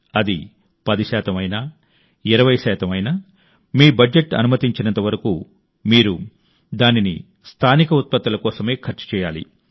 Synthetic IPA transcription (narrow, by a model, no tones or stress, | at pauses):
ɐd̪i | pɐd̪iʃaːt̪ɐmɐjnaː | iɾɐʋɐjʃaːt̪ɐmɐjnaː | miːbɐeʈɐ̰numɐt̪iɲt͡ʃinɐnt̪ɐʋɐɾɐku | miːɾu | d̪aːninḭ | st̪ʰaːnikɐut̪̚pɐt̪ːɐlɐkɔːsɐme̞ːkʰɐɾt͡ʃɐ̥t͡ʃɛːjaːlḭ